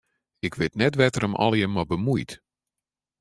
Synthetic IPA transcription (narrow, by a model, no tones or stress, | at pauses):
ɪkʋɪtnɛtʋɛtəɾəmʔɔ̰lˠjənmːɔbəmujt